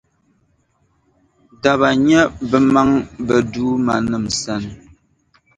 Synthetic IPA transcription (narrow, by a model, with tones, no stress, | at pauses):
da˨βa˨ɲɛ˦bə˨ma˦ŋbə˨duː˦ma˨nɨ˦˨msa˦˨n˨